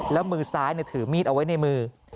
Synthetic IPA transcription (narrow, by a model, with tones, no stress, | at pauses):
lɛː˦˥wmɯː˧saː˦˥jni˧˩t̪ʰɯː˩˦miː˥˩t̪̚ʔa˧wa˦˥jna˧jmɯː˧